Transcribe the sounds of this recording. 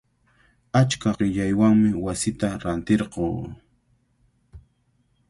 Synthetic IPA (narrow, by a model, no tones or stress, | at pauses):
at͡ʃkaɢɪʎajwaŋmɪwasɪt̪aɾant̪eɾqoː